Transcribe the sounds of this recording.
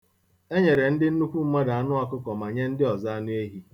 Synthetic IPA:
e˦ɲe˨ɾe˨n̩˦dɪ˦n̩˦nu˦kʷu˦m̩˦ma˦da˨a˨nʊ˦a˦kʊ˦kɔ˨ma˨ɲe˦n̩˦dɪ˦ɔ˨za˦nʊ˦e˦ɦi˦

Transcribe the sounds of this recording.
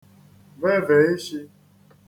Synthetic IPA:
ve˦ve˨˦i˦ʃi˦

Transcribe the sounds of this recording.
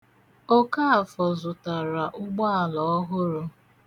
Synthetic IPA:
o˦ka˦a˨fɔ˨zʊ˨ta˨ɾa˨ʔʊ˦ɡ͡ba˦a˨lɔ˨ɔ˦ɦʊ˦ɾʊ˦

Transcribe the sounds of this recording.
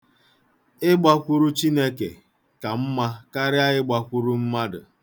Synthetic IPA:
ɪ˦ɡ͡ba˦kʷʊ˦ɾu˦t͡ʃi˦ne˦kḛ˨ | ka˨m̩˦ma˦ka˦ɾɪ˦a˦ɣɪ˦ɡ͡ba˦kʷu˦ɾu˦m̩˦ma˦dʊ̰˨

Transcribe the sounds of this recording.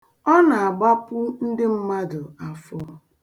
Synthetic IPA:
ɔ˦na˨a˨ɡ͡ba˦pʊ˦n̩˦dɪ˦m̩˦ma˦dʊ˨a˨fɔ˦

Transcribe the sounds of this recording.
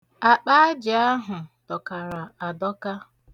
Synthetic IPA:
a˨k͡pa˦d͡ʒɪ˨a˦ɦʊ˨tɔ˨ka˨ɾa˨a˨dɔ˦ka˦

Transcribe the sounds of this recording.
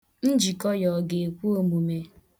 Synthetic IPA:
n̩˦d͡ʒi˨kɔ˦jɔ˨ɡe˨e˨kʷu˦o˦mu˨me˨

